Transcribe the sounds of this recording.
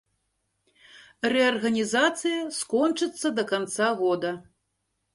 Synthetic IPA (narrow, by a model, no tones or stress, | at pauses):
rɛɐrɣɐnʲizat̪sɨjɐskɔnt͡ʂɨt̪sːɐd̪ɐkant̪saɣɔd̪ɐ